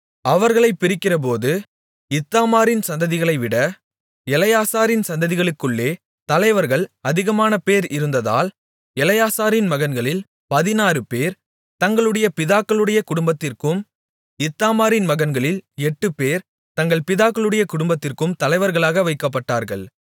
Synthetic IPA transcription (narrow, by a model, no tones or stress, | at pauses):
ɐʋɐɾɣɐɭɐɪpːɪɾɪkːɪrɐp̬oːðɯ | ɪt̪ːaːmaːɾɪnsɐnd̪ɐðɪɣɐɭɐɪʋɪɽɐ | ɛlɐjaːsaːɾɪnsɐnd̪ɐðɪɣɐɭɯkːɯɭːeː | t̪ɐlɐɪʋɐɾɣɐɭɐðɪɣɐmaːnɐpeːɾɪɾɯnd̪ɐða̰ːl | ɛlɐjaːsaːɾɪnmɐɣɐnɡɐɭɪl | pɐðɪnaːɾɯpeːɾ | t̪ɐŋɡɐɭɯɽɐjɐpɪðaːkːɐɭɯɽɐjɐkʊɽʊmbɐt̪ːɪrkɯm | ɪt̪ːaːmaːɾɪnmɐɣɐnɡɐɭɪlɛʈːɯpeːɾ | t̪ɐŋɡɐɭpɪðaːkːɐɭɯɽɐjɐkʊɽʊmbɐt̪ːɪrkɯmt̪ɐlɐɪʋɐɾɣɐɭaːɣɐʋɐɪkːɐp̬ːɐʈːaːɾɣɐ̰ɭ